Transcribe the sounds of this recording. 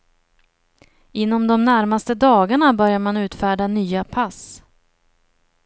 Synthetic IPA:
ɪnːɔmd̪ɔmnæɾmast̪əd̪ɑːɡaɳabœɾjaɾmanʉ̟ːt̪fæːɖanyːapʰas

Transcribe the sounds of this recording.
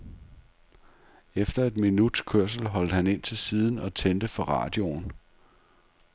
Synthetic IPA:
efd̥ɐe̝d̥minud̥kʰøɐ̰s̬l̩ɦɒ̽l̰d̥əhæne̝n̰t͡sʰe̝lsiːð̞ˠn̩ɒ̽t͡sʰend̥əfɒ̽ʁɑ̰̈ːd̥jo̝n

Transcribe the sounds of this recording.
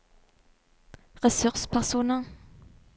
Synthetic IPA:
ʁɛsʉʁspʰæʁsuːnə

